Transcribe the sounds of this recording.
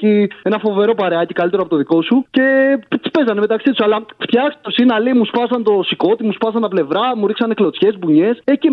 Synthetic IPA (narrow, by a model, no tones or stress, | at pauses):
ie̞nɐfo̞ve̞ɾo̞pɐɾeɐcikɐlit̪eɾoɐpot̪oðiko̞suce̞pt̪i̥spe̞zɐnemet̪ɐksit̪u̥sɐlɐft̪çɐkst̪o̞sinɐlimuspɐsɐnt̪o̞siko̞t̪imuspɐs̬ɐnt̪ɐple̞vɾɐmuɾiksɐneklo̞t͡sçe̞sbuɲe̞seci